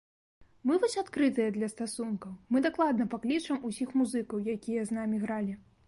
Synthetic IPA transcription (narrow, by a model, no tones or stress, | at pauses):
mɨvɔsʲat̪kɾɨt̪ɨjɐd̪lʲɐst̪asunkɐwmɨd̪aklˠad̪nɐpaklʲit͡ʂɐmusʲixmuzɨkɐwjakʲijɐznamʲiɣɾalʲi